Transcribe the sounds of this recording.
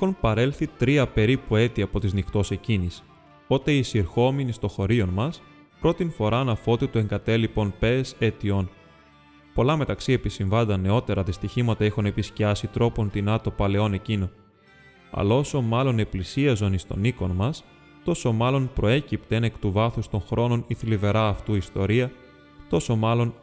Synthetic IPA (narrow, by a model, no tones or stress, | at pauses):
ixo̞npɐɾe̞lθit̪ɾiɐpe̞ɾipue̞t̪iɐpo̞t̪iznixt̪o̞se̞cinis | o̞t̪e̞isiɾxo̞minist̪o̞xo̞ɾio̞nmɐs | pɾo̞t̪info̞ɾɐnɐfo̞t̪et̪oe̞ŋɡɐt̪e̞lipo̞npe̞se̞t̪io̞n | po̞lɐme̞t̪ɐksie̞pisiɱvɐnd̪ɐnːe̞o̞t̪e̞ɾɐðist̪içimɐt̪ɐexune̞pisciɐsit̪ɾo̞po̞nt̪inɐt̪o̞pɐle̞o̞ne̞cino̞ | ɐ̰lo̞so̞mɐlo̞ne̞plisiɐzo̞nist̪o̞̰niko̞nmɐs | t̪o̞so̞mɐlo̞npɾo̞e̞cipt̪e̞ne̞kt̪uvɐθust̪o̞nxɾo̞no̞niθlive̞ɾɐːft̪uist̪o̞ɾiɐ | t̪o̞so̞mɐlo̞n